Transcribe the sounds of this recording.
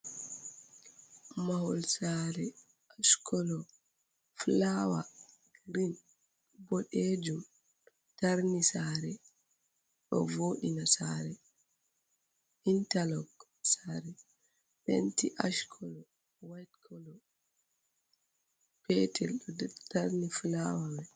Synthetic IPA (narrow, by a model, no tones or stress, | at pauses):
mahɔlsaɾɛ | ʔaʃkʰɔlɔ | flawa | ɡɾin | bɔɗed͡ʒum | taɾnisaɾɛ | ɗɔ̰voːɗinasaːɾɛ | ʔintalɔɡ | saɾɛ | ɓḛntiʔaʃkʰɔlɔ | wajtkʰɔlɔ | pɛtʰɛlɗɔtaɾniflawawɛ